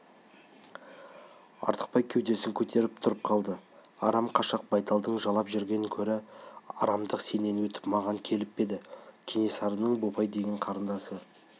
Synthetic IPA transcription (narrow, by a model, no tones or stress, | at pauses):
ɑ̰ɾt̪ʰə̥q̚pɑjkʲʰewd̪e̞sɪŋkʲʰɵt̪ʰe̞ɾɪp̚t̪ʰʊɾəp̚qʰɑlˠd̪ə | ɑɾɑmqʰɑʃɑq̚bɑjt̪ɑlˠd̪əɴʒɑlˠɑpʒʏɾɡʲe̞nkʲʰɵɾɪɑ̰ɾɑmd̪əqse̞ne̞nwɵt̪ɪ̥pmɑʁɑŋkʲʰe̞lɪpːe̞d̪ɪkʲʰene̞sɑɾənəɴbobɑjd̪e̞ɡʲeɴqʰɑɾənd̪ɑsə